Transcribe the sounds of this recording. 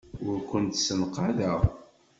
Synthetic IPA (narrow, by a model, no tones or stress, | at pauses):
ʊɾkʷʊnt̪sənqaðəʁ